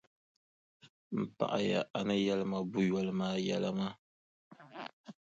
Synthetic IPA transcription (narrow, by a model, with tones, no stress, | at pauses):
m̩˨pa̰˨ʔa˨ja˨ʔa˨nɨ˦jɛ˦lɨ˦ma˨bu˦jɔ˦lɨ˦maː˦jɛ˦la˦ma˦